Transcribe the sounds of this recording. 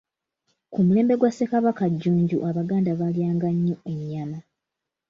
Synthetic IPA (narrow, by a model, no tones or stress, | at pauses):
kumule̞ːmbe̞ɡwasekaβakaɟːuːɲɟṵʔaβaɡaːndaβaljaːŋɡaɲːoe̞ɲːama